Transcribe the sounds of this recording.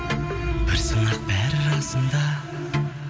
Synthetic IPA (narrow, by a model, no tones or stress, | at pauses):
b̥ɪɾsənɑq̚bæɾɪɾɑsənd̪ɑ